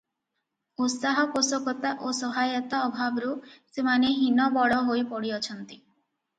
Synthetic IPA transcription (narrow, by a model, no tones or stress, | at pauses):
ut̪saɦɔposɔkɔt̪aʔosɔɦajɔt̪aɔbʱabɔɾusemaneɦinɔbɔɽɔɦojpɔɽiɔt͡ʃʰɔnt̪i